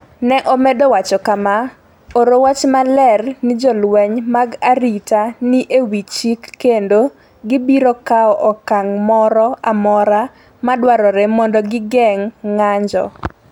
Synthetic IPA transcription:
nɛʔɔmɛdowat͡ʃɔkama | oɾowat͡ʃmalɛrnɪd͡ʒɔlwɛɲmaɡaɾitanɪʔewit͡ʃikːendo | ɡɪbiɾɔkaɔʔɔkaŋmɔɾɔamɔɾa | madwaɾɔɾɛmɔndɔɡɪɡɛŋːaɲd͡ʒɔ̰

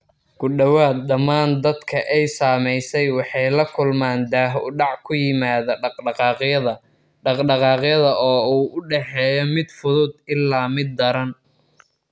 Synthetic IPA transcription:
ɡʊɖɐwaːd̪̚ɗɐmːaːnd̪ɐd̪kʰɐʔɛjsaːmɛjsɛjwɑħɑjlɐkʰʊlmaːnd̪aːɦɖɑʕkʰʊjɪmaːðɐɑqɑːqɐðɐ | ɑqɖɑqɑːqjɐðɐʔɔːuːʔʊɖɛħɛːjɔmɪd̪fʊðʊd̪ɪlːaːmɪd̪ːɐɾɐn

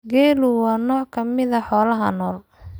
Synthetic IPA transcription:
ɡɛːlʊwɑːnɔːʕkʰɐmɪðɐħɔːlɐɦɐ̰nɔːl

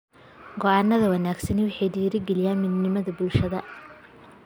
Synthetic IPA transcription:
ɡɔʔaːnːɐðɐwɑnaːɡsɐnɪwɑħɑjɖiːɾɪɡɛlɪjaːnmɪd̪nɪmɐðɐbʊlʃɐðɐ

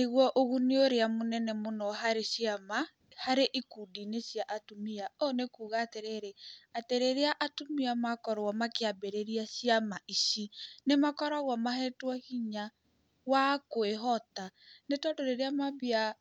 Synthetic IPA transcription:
neɣwɔʔoɣuneoɾeamonɛnɛmonɔɦaɾesiama | haɾeʔikudinesjaʔatumiaɔnekuːɣaːteɾeɾeateɾeɾeaʔatumiamakɔɾɔmakeabeɾeɾiasiamaʔisinemakɔɾaɣwamahɛtwɔhiɲa | wakoeɦɔtanetɔdoɾeɾeamaβia

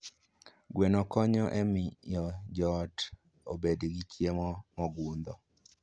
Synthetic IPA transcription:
ɡwenɔkɔɲɔʔɛmɪjɔd͡ʒɔt | o̰bedɡit͡ʃjemɔmɔɡund̪ɔ

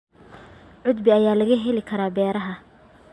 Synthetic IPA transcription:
ʕʊd̪bɪɐjaːlɐɣɐɦɛlɪkʰɐɾaːbɛːɾɐɦɐ

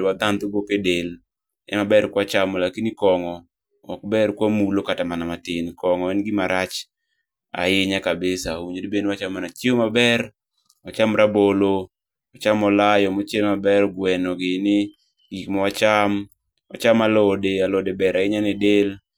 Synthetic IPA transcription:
wad̪ant̪oɡokedel | ɛ̰mabɛrkwat͡ʃamɔlakinikɔŋɔ | ɔ̰k̚bɛrkwamulokatamanamatɪnkɔŋɔɛnɡɪmaɾat͡ʃ | a̰ɪɲakabesauɲodibenwat͡ʃamanat͡ʃeomabɛr | wat͡ʃamɾabolo | ɔt͡ʃamɔlajɔmɔt͡ʃelmabɛɾɡwɛnɔɡɪnɪ | ɡikmɔwat͡ʃam | a̰t͡ʃamalɔdealodebɛɾaɪɲanɪdel

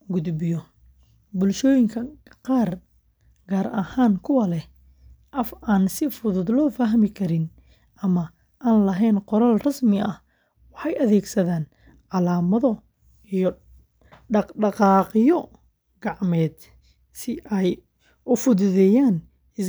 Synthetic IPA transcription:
ɡʊd̪bɪjɔ | bʊlʃɔːjɪŋkʰɐqɑːr | ɡaːɾɐhaːnkʰʊwɐlɛ | ʔɐfaːnsɪfʊðʊd̪lɔːfaɦmɪkʰɐɾɪn | ʔɐmɐ | ʔaːnlɐɦɛːnqɔɾɐlrɐsmɪɐh | wɑħɑjʔɐðɛːɡsɐðaːn | ʕɑlaːmɐðɔ | ijɔ | ɑɖɑqɑːqjɔ | ɡ̥ɑʕmɛːd̪ | sɪʔɛj | ʊfʊðʊðɛːjaːn | ɪs

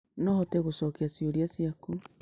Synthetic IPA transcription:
nɔhɔtɛɣosɔkeasioɾiasiaku

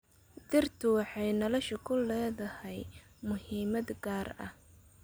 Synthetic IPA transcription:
d̪ɪrt̪ʰʊwɑħɑjnɐlɐʃɪkʰʊlːɛːðɐhɛjmʊhiːmɐd̪ɡaːrɐ̰h

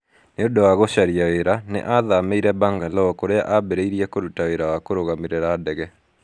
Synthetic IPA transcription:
neodowaɣoʃaɾiaweɾanḛʔaðameiɾɛbaŋɡalɔɔkoɾea̰ʔabeɾeiɾjɛkoɾutaweɾawakoɾoɣamiɾeɾaːdɛɣɛ

